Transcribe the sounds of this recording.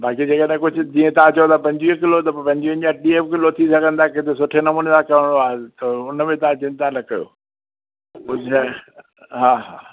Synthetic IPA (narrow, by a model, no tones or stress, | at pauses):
baːkid͡ʑeːkəɗɦkʊd͡ʑʱʊ̆d͡ʑiːẽt̪ɐʋ̤ãt͡ɕɐjot̪ʰɐpɐ̃ɲd͡ʑʋikɪlot̪ɐppɐ̃ɲd͡ʑiə̃ɲd͡ʑaɗiːeːfkɪlot̪ʰisɐɡʱə̃nd̪akɪ̃t̪ʰesʊʈʰenɐmũːnelakɐʋəɽ̃d̪oaːet̪ɐʊnəmẽt̪ɐãt͡ɕɪ̃nt̪ãlɐkɐjo̰ | ʊd͡ʑʱ | ɦaːɦaː